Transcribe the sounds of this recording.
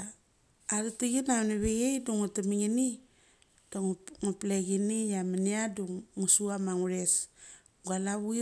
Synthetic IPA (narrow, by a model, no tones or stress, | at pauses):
aɾitiɡinanaβeɡejduŋutamiŋini | d̥aŋŋupleɡinijamaniaduŋːusuamaŋuɾes | ɡalaβui